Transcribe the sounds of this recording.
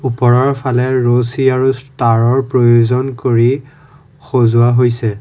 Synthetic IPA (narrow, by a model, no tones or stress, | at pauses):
upɔɹɔɹpʰalɛɹosiaɹustaɹɔɹpɹojozɔnkoɹi | xozʊaɦojsɛ